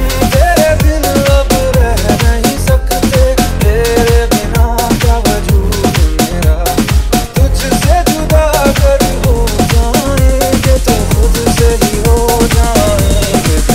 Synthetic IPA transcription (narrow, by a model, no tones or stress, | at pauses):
t̪eːɾed̪ɪnɐbɾɛɦnɐɦĩsɐk | t̪et̪eːɾebɪnakaʋɐd͡ʒuːd̪meːɾaː | t̪ʊd͡ʒsed͡ʒʊd̪aːkɐɾiɦod͡ʒaːneket̪oxʊd̪ʱseɦiɦod͡ʒaːe